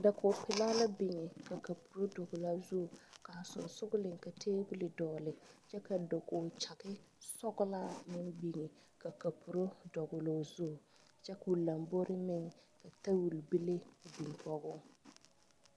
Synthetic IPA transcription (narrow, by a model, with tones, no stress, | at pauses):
da˨ko˨pɪ˨laː˦la˦bɪ˨ŋɛ˨ka˨ka˨pu̥˨ɾo˦dɔ˨ɡʊ˨la˦zʊ˦˨ka˨sʊ̰˨nsʊ˦ɡʊ˦lɪ˨ŋka˨tʰeː˦bu˦lɪ˨dɔː˨lɪ˨t͡ʃɛ˦ka˨do˨ɡo˨t͡ʃa˨kɪ˦ | sɔ˦ɡʊ˦la˦mɪ˦nbi˨ŋɛ˨ | ka˨ka˨pu˨ɾo˦dɔ˨ɡʊ˨loː˦zʊ˦˨ | t͡ʃɛ˦ku˨la˨mbo˦ɾɪ˦mɪ˦ŋka˨ta˦wu˨lbɪ˦le˦˨bi˨ŋ˨kɔ˦ɡʊ˦